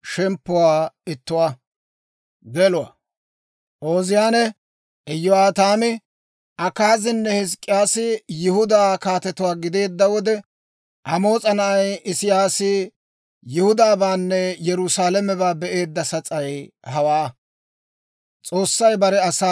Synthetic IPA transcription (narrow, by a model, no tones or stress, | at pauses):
ʃɛmpːʊwaːɪt̪ːʊwa | ɡɛlʊwa̰ː | ʔoːzɪjaːnɛ | ʔɪjːɔaːt̪aːmɪ | ʔɐkaːzɪnːɛhɪs̬kʼːɪjaːsɪjɪhʊd̪aːkaːt̪ɛt̪ʊwaːɡɪd̪e̞ːd̪ːɐwɔd̪ɛ | ʔɐmo̞ːt͡sʼɐnɐʔɐjɪsɪjaːsɪ | jɪhʊd̪aːbaːnːɛjɛɾʊsaːlɛmɛbaːbɛʔe̞ːd̪ːɐsɐt͡sʼɐjhɐwaː | t͡sʼo̞ːsːɐjbɐɾɛɐsa